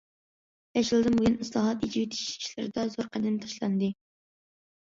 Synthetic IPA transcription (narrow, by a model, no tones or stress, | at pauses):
jɛʃilˠd̪ɨmbujunɨslˠɑɦɑt̪id͡ʒiwɪt̪ʰi̥ʃi̥ʃlɪ̰ɾɪd̪ɑzoɾqʰɑd̪ɪnt̪ʰɑ̥ʃlˠɑ̰nd̪ɨ